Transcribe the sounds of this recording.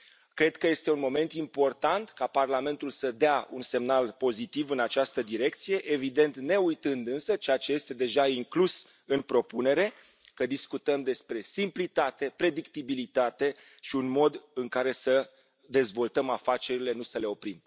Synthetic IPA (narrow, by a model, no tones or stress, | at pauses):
kɾe̞d̪kəje̞st̪e̞unmo̞me̞nt̪impo̞rt̪ant̪kaparlame̞nt̪ulsəd̪eaunse̞mnalpo̞zit̪ivɨnat͡ʃast̪əd̪iɾe̞kt̪sije̞ʔevid̪e̞nt̪ne̞ujt̪ɨnd̪ɨnsət͡ʃeat͡ʃeje̞st̪e̞d̪e̞ʒaiŋklus | ɨnpɾo̞pune̞ɾe̞ | kəd̪iskut̪əmd̪e̞spɾe̞simplit̪at̪e̞pɾe̞d̪ikt̪ibilit̪at̪e̞ | ʃiunmo̞d̪ɨŋkaɾe̞sə | d̪e̞zvo̞lt̪əmafat͡ʃe̞ɾile̞nusəle̞o̞pɾim